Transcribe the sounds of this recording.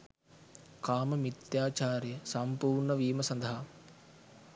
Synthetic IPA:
kaːmɐmit̪jaːt͡ʃaːɾjɐsɐmpuːɾɳɐʋiːmɐsɐnd̪ɐɦɐ

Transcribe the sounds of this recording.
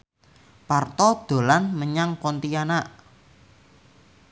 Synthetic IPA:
part̪ɔd̪̥o̤lanməɲaŋkɔnt̪ianaʔ

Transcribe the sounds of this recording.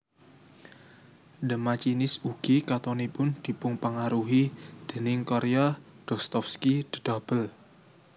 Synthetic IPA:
dəmat͡ʃinɪsuɡ̥ikat̪ɔnipʊnd̪̥i̤pʊŋpəŋaɾuɦid̪̥e̤nɪŋkɔɾea | d̥ɔ̤st̪ɔfskid̪̥əd̪̥a̤b̥əl

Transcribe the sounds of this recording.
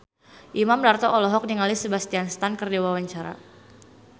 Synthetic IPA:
ʔimamdart̪ɔʔɔlɔɦɔk̚diŋalisəbast̪ianst̪ankərdawawaɲt͡ʃaɾa̰

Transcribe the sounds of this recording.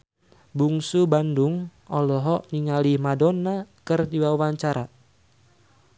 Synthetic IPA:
buŋsubanduŋɔlɔɦɔʔniŋalihmadɔnakɨrdiwawaɲt͡ʃaɾa

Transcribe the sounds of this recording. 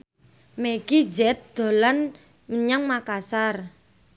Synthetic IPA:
meɡ̥id͡ʒɛt̪̚d̪̥o̤lan | məɲaŋmakasar

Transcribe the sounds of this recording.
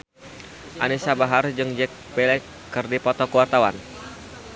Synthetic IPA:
ʔanisabaɦard͡ʒɨŋd͡ʒɛk̚bɛlɛkː | ɨrdipɔt̪ɔkuwart̪awa̰n

